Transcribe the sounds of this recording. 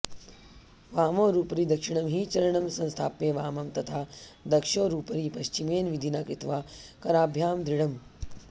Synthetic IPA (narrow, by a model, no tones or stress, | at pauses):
ʋaːmoːɾuːpɐɾiːd̪ɐkʂiɳɐmɦiːt͡ʃɐɾɐɳɐmsɐ̃nst̪ʰaːpːeːʋaːmɐmt̪ɐt̪ʰaːd̪ɐkʂoːɾuːpɐɾiːpɐʃt͡ʃimeːnʋid̪ʱinaːkɾit̪ʋaːkɐɾaːbʱjaːmd̪ɾiɽɐm